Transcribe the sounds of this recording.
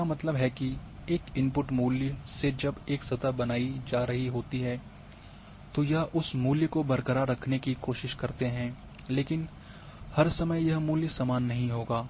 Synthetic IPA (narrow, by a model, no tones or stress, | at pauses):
amɐt̪ləbɦɛkieːkɪ̃mpʊʈmuːljəsed͡ʒɐbeːksɐd̪abɐnaːid͡ʒaːɾɐɦiɦoːt̪iɦɛː | t̪ojɐɦʔʊsmuːljəkobɐɾkəɾaɾɐkʰnekikoːʃɪʃkɐɾt̪eɦɛ̃ː | leːkɪn | hɐɾsɐməjjɐɦmuːljəsaːmaːnːɐɦĩɦoːɡaː